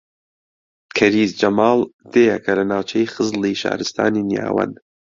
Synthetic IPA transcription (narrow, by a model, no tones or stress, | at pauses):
kʰɐɾiːzd͡ʒɐmɑːlˠd̪̥ejɛkʰɐlɐnaːwt͡ʃʰɛjxɨzliʃa̰ːɾɨst̪a̰ːninija̰ːwɐ̰n